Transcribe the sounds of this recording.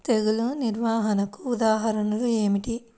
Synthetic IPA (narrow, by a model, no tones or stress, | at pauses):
t̪eɡuluniɾʋaːɦɐnɐkuːd̪aːɦɐɾɐnɐlue̞ːmiʈi